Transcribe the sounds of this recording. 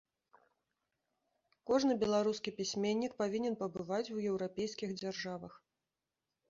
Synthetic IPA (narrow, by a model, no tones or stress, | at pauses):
kɔʐnɨbʲɛlˠaɾuskʲipʲisʲmʲenʲːik̚pavʲinʲɛnpɐbɨvat͡sʲwjɛwɾapʲejskʲixd͡zʲarʐavɐx